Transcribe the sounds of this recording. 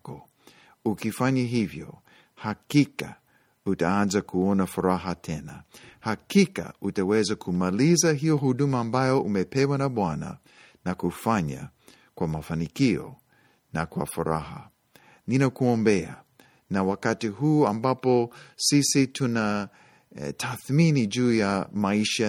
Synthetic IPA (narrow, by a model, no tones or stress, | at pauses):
kɔ | ukifaɲaɦivjɔ̰ | hakika | utaanzakʰuɔnafuɾaɦatʰɛna̰hakika̰utawɛzakʰumalizaɦiɔɦudumaːmbajɔʔumɛpɛwanaɓwana̰ | nakufaɲa̰ | kwamafanikiɔ̰ | nakwa̰fuɾa̰ɦa | ninakuɔmbɛa̰ | nawakatiɦuːambapɔsisitʰuna | tʰaθminid͡ʒuːjamaiʃa